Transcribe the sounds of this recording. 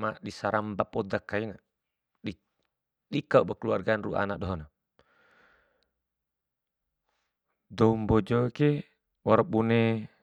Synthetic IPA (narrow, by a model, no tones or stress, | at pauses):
maʔdisaɾambapɔdakːaina | ɗi | ɗikaubakəluarɡaːnruʔa̰nadɔɦɔna | dɔumbɔd͡ʒɔke | wɔɾabunɛ